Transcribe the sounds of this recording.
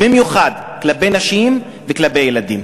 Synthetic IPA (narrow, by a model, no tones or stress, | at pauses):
bimjuχad̪ | klabejnaʃim | veklabejelad̪im